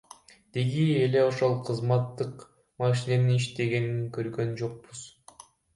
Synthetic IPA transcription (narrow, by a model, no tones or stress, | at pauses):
d̪̥eɡiele̞o̞ʃo̞lˠqʰɯzmɑt̪ːɯq | mɑʃ̬ine̞niiʃt̪e̞ɡe̞niŋkø̞ɾɡø̞nd͡ʒo̞q̚buz̥